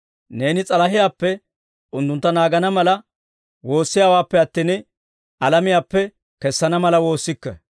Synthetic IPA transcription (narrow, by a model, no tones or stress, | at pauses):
ne̞ːnɪt͡sʼɐlɐɦɪjaːpːɛ | ʊnt̪ːʊnt̪ːɐnaːɡɐnɐmɐlɐ | wo̞ːsːɪjaːwaːpːɛɐt̪ːiːn | ʔɐlɐmɪjaːpːɛ | kɛsːɐnɐmɐlɐwo̞ːsːɪkːɛ̰